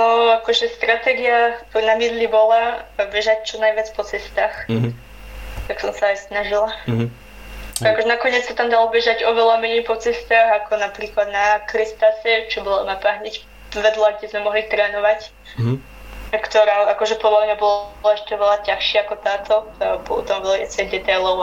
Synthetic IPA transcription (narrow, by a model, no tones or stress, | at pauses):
nɔakɔʒɛst̪ɾat̪ɛːɡiapnamid̪libɔlabɛʒac̚t͡ʃɔnajʋɪat͡spɔt͡sɛst̪aːx | t̪aksɔmsaajsnaʒila | akɔʒɛnakɔɲɪɛt͡ssat̪amd̪alɔbɛʒaɟɔʋɛlamɛɲɛjpɔt͡sɛst̪aːxakɔnapɾiːklad̪nakɾist̪asɛt͡ʃɔbɔlamapaɦɲɛc | ʋɛd̪laɡɟɛzmɛmɔɦlit̪ɾɛːnɔʋac | kt̪ɔɾaːakɔʒɛpɔd̪lamɲabɔlaɛʃt̪ɛʋɛlacaxʃɪaakɔt̪aːt̪ɔabɔt̪ɔmvɛlkɛt͡sɛɣd̪ɛt̪ajlɔʊ